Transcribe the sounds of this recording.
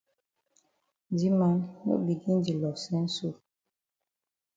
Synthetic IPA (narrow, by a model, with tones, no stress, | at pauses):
n˨di˦ma˨˦nnṵ˦bi˨ɡi˦n˦di˨lɔ˨sɛ˦n̩˦su˦˨